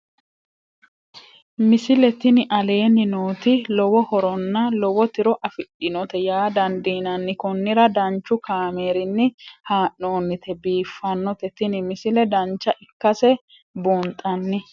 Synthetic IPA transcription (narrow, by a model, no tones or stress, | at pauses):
mɪsɪlɛt̪ɪnɪʔɐle̞ːnːɪnoːt̪ɪlɔwɔhɔɾɔnːɐlɔwɔt̪ɪɾɔʔɐfɪɗːɪnɔt̪ɛjaːd̪ɐnd̪iːnɐnːɪkɔnːɪɾɐd̪ɐnt͡ʃːʊkaːme̞ːɾɪnːɪhaːʔːo̞ːnːɪt̪ʰɛbiːfːɐnːɔt̪ɛt̪ɪnɪmɪsɪlɛd̪ɐnt͡ʃːɐʔɪkːɐsɛ | buːnt̪ʼːɐnːɪ